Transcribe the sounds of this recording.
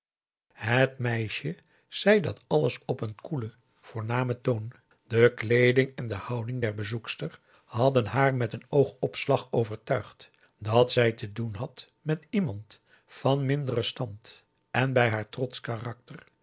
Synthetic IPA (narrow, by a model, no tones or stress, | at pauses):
hətmɛjʃə | z̥ɛjdɑtɑləsɔpənkulə | v̥ʊːɹnaːmətown | d̥əklejdɪŋɛndəhɑwdɪŋdɛɹbəzukstər | hɑdənɦaːɹmɛtənowχɔpslɑχowvəɹtœɥχt | dɑtsɛjtədunɦɑt | mɛtimɑnt | fɑnmɪndərəstɑnt | ʔɛnbɛjɦaːɹtrɔtskarɑk̚tər